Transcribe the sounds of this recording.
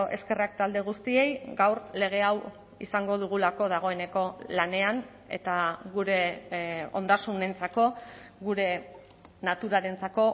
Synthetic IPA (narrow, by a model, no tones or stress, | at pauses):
ʔe̞̰ske̞rak̚t̪ald̪e̞ɣ̞ust̪ie̞jɡawrle̞ɣ̞e̞aw | ḭsaŋɡo̞ð̞uɣ̞ulako̞ð̞aɣ̞o̞e̞ne̞ko̞lane̞an | e̞̰t̪aɡuɾe̞ | o̞̰nd̪asune̞nt͡sako̞ɡuɾe̞ | nat̪uɾaɾe̞nt͡sako̞